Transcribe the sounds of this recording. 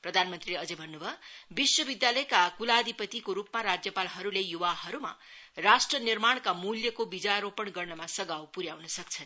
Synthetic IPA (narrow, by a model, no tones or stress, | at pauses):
prʌd̪ʱanmʌnt̪rileʌd͡zʌbʱʌnːubʱʌbiswʌbid̪jalʌjkakulad̪ʱipʌt̪ikoɾupmaɾad͡zjʌpalɦʌɾulejuwahʌɾuma̰ | rasʈrʌnirmaɳ̃kamuljʌkobid͡zaɾopʌɳɡʌrnʌmasʌɡawpuɾjawnʌsʌk̚t͡sʰʌn